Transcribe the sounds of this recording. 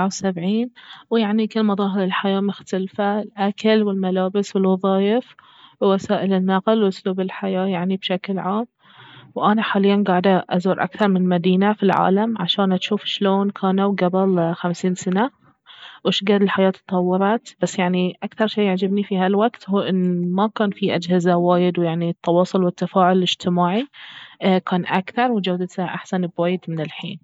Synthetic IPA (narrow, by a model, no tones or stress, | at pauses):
ʕawsabʕiːnwjaʕnikɪlːmɑðˤɑːɦɪɾɪlħajaːmʊxt̪alfalʔakalwɪlmalaːbɪswɪlwɑðˤɑːjɪf | wːasaːʔɪlɪnːaqlwʔʊsluːbɪlħajaːjaʕnibʃaklʕaːm | wʔanaħaːlɪjːanɡaːʕɪd̪aʔazuːɾʔa̰kθɑɾˤmɪnmad̪iːnafilʕa̰ːlamʕaʃaːnʔat̪ʃuːfʃloːnkʰaːnawɡabɪlxamsiːnsana | wɪʃɡad̪ɪlħajaːt̪ʰːɑ̥t̪ˤɑwːɑɾˤɑt̪b̥asːjaʕniʔakθɑɾˤʃiːaʕd͡ʒabnifiɦalwaɡt̪huːʔɪnːmakaːnfiʔad͡ʒhɪzawaːjɪd̪wjaʕnit̪ːɑwɑːsˤʊlwɪt̪ːafaːʕʊlɪd͡ʒt̪ɪmaːʕi | kaːnʔakθɑɾˤwd͡ʒawd̪t̪ʔaħsanbwaːjɪd̪mɪnɪlħḭːn